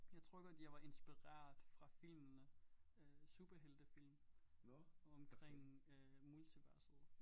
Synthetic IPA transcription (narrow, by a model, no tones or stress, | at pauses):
jɑ̈ɪt͡sʰʁœɡ̥ɐd̥jɑ̈ɪʋɑ̈ʔe̝nsb̥iʁæ̰ɐ̰ðd̥ˠfʁɑ̈fil̰mnəøsub̥ɐɦel̰d̥əfil̰m | ɒ̽mkʰʁeŋ̰ømult͡sʰiʋæɐsð̩ˠ